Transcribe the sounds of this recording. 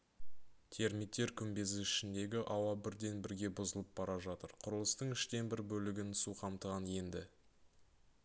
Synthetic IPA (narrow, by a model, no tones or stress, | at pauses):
t̪ʰe̞ɾmit̪ːe̞ɾkʲʰʏmbe̞zɪɪʃɪnd̪e̞ɡʲɪʔɑwɑbɪɾd̪e̞nbɪɾɡʲe̞bʊzəlˠəp̚bɑɾɑʒɑt̪əɾqʰʊɾəlˠəst̪əɴɪʃt̪e̞nbɪɾbɵlɪɡʲɪnsuqʰɑmt̪əʁɑnje̞nd̪ɪ